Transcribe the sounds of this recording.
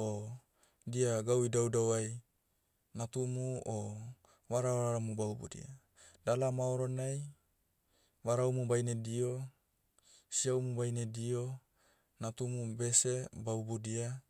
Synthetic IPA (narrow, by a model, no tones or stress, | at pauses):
o | diaɡawidaudauai | nat̪umuo | waɾawaaɾamubaubṵdḭa | dalamaoɾonai | waɾaumubainedio | siaumubainedio | nat̪umubesebaubudia